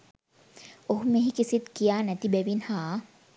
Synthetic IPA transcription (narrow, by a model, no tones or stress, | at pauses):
oɦumeɦikisit̪kijaːnɛt̪ibɛʋinhaː